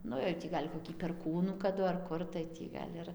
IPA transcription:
ˈnʊ jɛʊ ˈtʲiː ɡɐlʲ koːˈkʲiː pʲɛrˈkuːnuː kɐˈdʊ ɐr ˈkʊr tɐɪ ˈtʲiː ɡɐlʲ ˈɪr

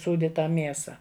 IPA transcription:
ˈsuːdʲɪ ˈtɑː ˈmʲiɛsɐ

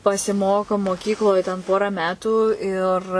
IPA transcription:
pɐsʲɪˈmoːkoː moːˈkʲiːklˠoːj tʲɛn ˈpoːrɑː ˈmʲæːtuː ɪr

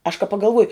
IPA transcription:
ɐʃ kɐ pɐɡɐlˠˈʋuɔjʊ

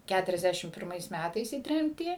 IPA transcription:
ˌkʲætʊrʲɛzʲˈdʲæʃʲɪm pʲɪrˈmɐɪs ˈmʲætɐɪs iː ˈtʲrʲɛmʲtʲiː

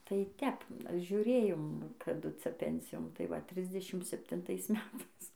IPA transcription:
tɐɪ ˈtʲɛp ʒʲʊˈrʲeːjoːm kɐˈdʊ ˈt͡sʲɛ ˈpʲɛnʲsʲɪjoːn tɐɪ ˈʋɐ ˈtʲrʲɪzʲdʲɛʃʲɪm sʲɛpʲtʲɪnˈtɐɪs ˈmʲæːtɐɪs

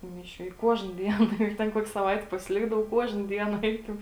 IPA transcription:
tuː ˈmʲɪˌʃʲuː ɪ ˈkuɔʒnɐ ˈdʲiɛn ˈjɛɪk ˈtʲɛn ˈkuɔkʲ sɐˈʋɐɪtʲɪ pɐsʲɪˈlʲɪɡdɐʋɐʊ ˈkuɔʒnɐ ˈdʲiɛnɐ ˈɛɪkʲɛʊ

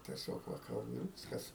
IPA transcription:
tʲiɛˈsʲoːk ˈʋɐ ˈkɐlˠbʊ ɪr ˈʋʲɪskɐs

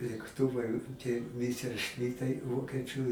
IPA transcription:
lʲeːkˈtʊʋɐɪ tʲiɛ ˌmʲɪsʲɛrʲˈʃʲmʲɪtɐɪ ˈʋoːkʲiɛt͡ʃʲʊ

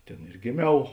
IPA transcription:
ˈtʲeːn ɪr ɡʲɪˈmʲɛʊ

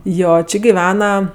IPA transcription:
ˈjoː ˈt͡ʃʲɪ ɡʲɪˈʋʲæːnɐ

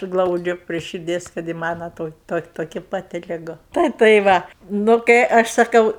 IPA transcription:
ˈɡlˠɐʊd͡ʒʲʊ pʲrʲiɛ ʃʲɪrʲˈdʲiɛs kɐt ɪ ˈmɑːnɐ ˈtoːkʲɪ ˈtoːkʲɪ toːˈkʲɪ pɐˈtʲɪ lʲɪˈɡʊ ˈtɐɪ tɐɪ ˈʋɐ nʊ kɐɪ ˈɐʃ sɐˈkɐʊ

